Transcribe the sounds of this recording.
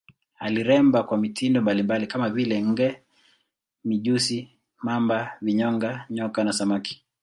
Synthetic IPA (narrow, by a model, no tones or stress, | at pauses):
aliɾɛmbakwamitʰindɔmbalimbalikamavilɛŋ̩ɡɛ | miʄusi | mambaviɲɔŋɡaɲɔkanasamaki̥